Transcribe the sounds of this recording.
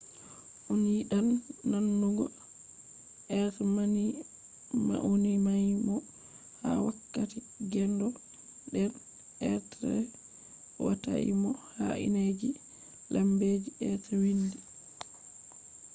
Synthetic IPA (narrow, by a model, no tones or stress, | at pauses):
ʔunjiɗanːanːuɡɔ̰ | ʔɛtmani | ma̰ʔonimajmɔ | ha̰wakːati | ɡɛndɔ | ɗɛn | ʔɛtɾɛ̰ | wata̰ḭmɔhaʔḭned͡ʒi | lʔambed͡ʒiɛtwindi